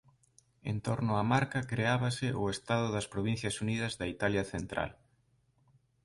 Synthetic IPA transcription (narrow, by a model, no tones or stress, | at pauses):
ḛnt̪oɾnʊamaɾkɐkɾeaβɐsɪʔʊest̪aðʊðɐspɾoβ̞in̟θjɐsuniðɐzðɐit̪aljɐθent̪ɾa̰l